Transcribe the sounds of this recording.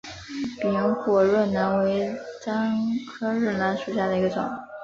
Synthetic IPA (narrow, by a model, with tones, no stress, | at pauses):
pi˨˩i˧˥ŋxwɔ˨˩ɻwə˥˩nna˧˥nwe˧˥ɪʈ͡ʂa˥nkʰɤ˥ɻ̩˥˩na˧˥nʂu˨˩ɕja˥˩d̪ə˩i˧˥ɡə˧ʈ͡ʂʊ̰˨˩˦ŋ